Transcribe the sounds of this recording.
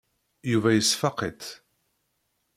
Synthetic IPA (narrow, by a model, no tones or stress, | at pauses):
juvæjəsfɑqit̪